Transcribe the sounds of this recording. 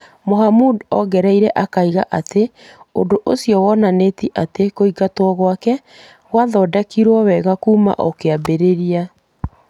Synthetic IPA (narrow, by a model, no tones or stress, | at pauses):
moɦamudɔɡɛɾɛiɾɛʔakaiɣaʔate | o̰doʔosijɔwɔnanetiʔatekoiɡatwɔɣwakɛ | ɣwaðɔːdɛkiɾwɔwɛɣakuːma̰ʔɔkeabeɾeɾia